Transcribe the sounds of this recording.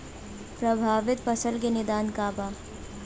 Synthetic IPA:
pɾɐbʱaːʋɪt̪̚pɐsəlkenɪd̪aːnkaːbaː

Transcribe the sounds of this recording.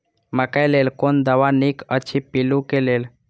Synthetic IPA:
məkajlelkond̪əʋanikət͡ɕʰipilũkelel

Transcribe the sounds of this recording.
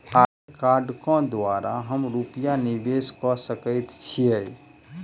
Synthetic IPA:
a | kaːɾɖkɔ̃d̪waːɾaɦəmɾupijanɪbeskɔsəkəɪt̪t͡ʃʰie

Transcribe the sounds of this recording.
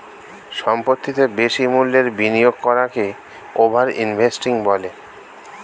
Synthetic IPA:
ʃɔmpot̪ʰːit̪ebeʃimulːeɾbinijoɡ̚kɔɾake | obʱaɾḭnbʱesʈiŋbɔle

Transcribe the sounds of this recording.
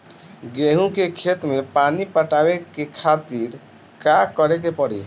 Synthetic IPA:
ɡɾeɦũkekʰet̪mepanipəʈabekekʰat̪iɾ | kakəɾekepəɽḭ

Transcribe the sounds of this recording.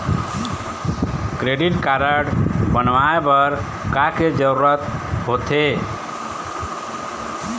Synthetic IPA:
kɾeɖiʈkaɾəɽbənʋaebəɾ | kaked͡ʒəɾuɾət̪ɦot̪ʰe

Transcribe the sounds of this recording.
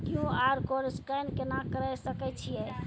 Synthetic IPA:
kiũaɾkoɾskəjnkenakəɾɛsəkɛt͡ʃʰijɛ

